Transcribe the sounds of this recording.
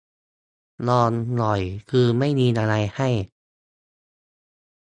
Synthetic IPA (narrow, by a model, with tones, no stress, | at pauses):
lɔː˧nːɔ˨˩jkʰɯː˧ma˥˩jniː˧nʔa˧ɾa˧jha˥˩j